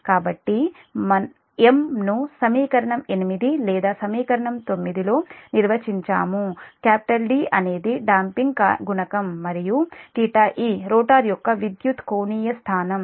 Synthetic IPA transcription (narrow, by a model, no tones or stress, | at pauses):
kaːbɐʈːi | mɐ | emnusɐmiːkɐɾɐɳɐmenimid̪ilɛːd̪aːsɐmiːkɐɾɐɳɐmt̪o̞mːid̪ilo̞ːniɾʋɐt͡ʃiɲt͡ʃa̰ːmukaːpi̥ʈɐlɖiːʔɐne̞ːd̪iɖaːmpiŋɡkaɡuɳɐkɐmːɐɾijuʈiːʈaːʔiːɾoːʈaːɾjɔkːɐʋid̪jut̪koːniːjɐst̪ʰaːnɐm